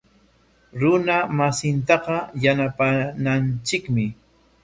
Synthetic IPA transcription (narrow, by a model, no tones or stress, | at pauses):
ɾʊnamasɪnt̪̬ɑqɑjanapanant͡ʃɪkmɪ